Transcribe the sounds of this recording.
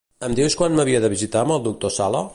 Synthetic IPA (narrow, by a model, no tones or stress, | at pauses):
əmd̪iwskwanməβiəðəβizit̪aməlˠd̪uk̚t̪osalə̰